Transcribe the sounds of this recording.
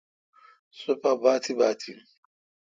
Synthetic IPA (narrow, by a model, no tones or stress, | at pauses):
sopabatibatʰin̩